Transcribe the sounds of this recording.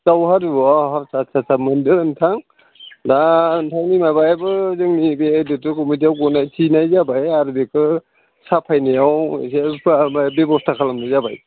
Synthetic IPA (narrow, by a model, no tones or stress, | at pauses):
sawhaɾuaɦaɾsasʰasamɯndɯɾɯntʰaŋ | dantʰaŋnimabajabɯzɯŋnibedɯtɯkɔmit̬iawɡɔnajtʰinajzabajaɾbekʰɯ | sapʰajnajawsepʰmabebɔstʰakʰalamnajzabaj